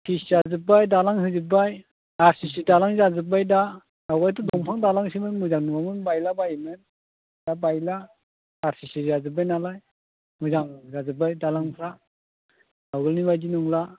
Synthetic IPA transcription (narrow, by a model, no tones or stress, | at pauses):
tʰiszazɯpːajdalaŋɦɯzib̬aj | aɾsisidalaŋzazɯb̬ajda | awɡajtudɔŋpʰaŋdalaŋs̬imɯmuzaŋnuŋamɯnbajlabajmɯn | dabajlaː | ɾsisizazɯb̬ajnalaj | mɯzaŋzazɯb̬ajdalaŋpʰɾa | awɡɯlnibajdinuŋla